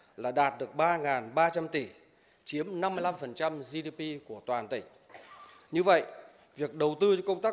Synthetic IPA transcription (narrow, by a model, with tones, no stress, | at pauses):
laː˨˩ɗaː˨˩t̚ɗɨ˨˩ək̚ɓaː˧ŋaː˨˩nɓaː˧t͡ɕa˧mt̪i˧˩ | t͡ɕi˨˦əmna˧mːɨ˧jla˧mfə˨˩nt͡ɕa˧mzi˧ɗi˧pi˧ku˧˩ət̪waː˨˩nt̪ï˨˩ŋ̟̚ | ɲɨ˧və̰˧˨jʔ | vi˨˩ək̚ɗə˨˩wt̪ɨ˧t͡ɕɔ˧ŋkə˧wŋ͡mt̪aː˦˥